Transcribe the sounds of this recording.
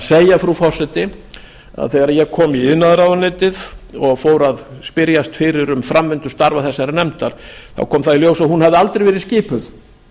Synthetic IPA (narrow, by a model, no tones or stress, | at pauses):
seːjafɾufɔr̥sɛt̪ɪ | a̰ðθɛːɣaɾajɛɣkʰɔːmiɪðnaðɾawðanɪːt̪ɪðɔɣfoːwɾaðspɪɾjast̪fɪɾɪɾʏmfɾamvɪnt̪ʏ̥st̪aɾvaθɛsːaɾɪnɛmt̪aɾ̥θa̰wkʰɔːmθaðiljoːwsaðhɦunhavðɪalt̪ɾejvɛːɾɪscɪːpʏð